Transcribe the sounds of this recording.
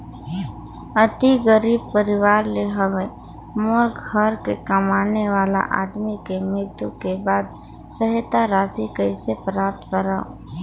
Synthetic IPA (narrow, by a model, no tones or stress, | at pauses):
ət̪iɡəɾiːb̚pəɾɪʋaːɾleɦɐʋe | mʊɾkhəɾkekɐmaːneʋaːla̰ʔa̰ːd̪mikemɪt̪ukebaːd̪ | səɦt̪aɾaːsikəɪsepɾaːp̚t̪kəɾaːo̰